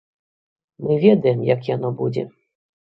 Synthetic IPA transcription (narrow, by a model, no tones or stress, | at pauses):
mɨvʲɛd̪ɐjɛmjakjanɔbud͡zʲɛ̰